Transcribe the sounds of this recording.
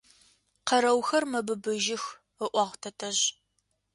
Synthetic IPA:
qɐɾɐwxɐrmɐbɨbɨʒɪx | əʔʷɑʁʷtʰɐtʰɐʑ

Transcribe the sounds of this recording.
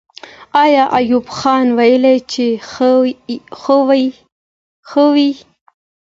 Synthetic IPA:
ɑjɑʔajubxɑnwajəlejt͡ʃe | xəw | xəwi

